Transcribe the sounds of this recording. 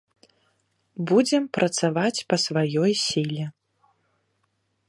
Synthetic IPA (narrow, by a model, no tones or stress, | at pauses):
bud͡zʲɛmpɾʔɐt̪savat͡sʲpɐsvajɔjsʲilʲɛ